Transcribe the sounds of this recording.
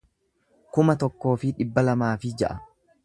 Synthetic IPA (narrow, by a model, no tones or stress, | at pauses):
kʊmɐt̪ɔkːo̞ːfɪᶑɪbːɐlɐmaːfɪd͡ʒɐʔɐ